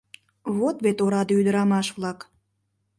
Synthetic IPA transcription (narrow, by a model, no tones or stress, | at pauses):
βot̪βet̪oɾɑd̪eyd̪əɾɑmɑʃβlɑk